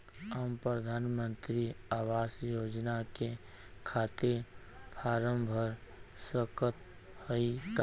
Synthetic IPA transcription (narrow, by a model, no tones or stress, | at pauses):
ɦəmpɾəd̪ʱaːnmə̃nt̪ɾiaːwaːsjoːd͡ʒnakekʰat̪ɪɾpʰaːɾəmbʱəɾswəkət̪həit̪a